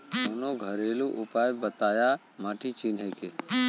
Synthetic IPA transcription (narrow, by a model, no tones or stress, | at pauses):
onoɡʱəɾeːluʔʊpaːjbət̪aːja | maːʈʰit͡ʃiːnɦeːke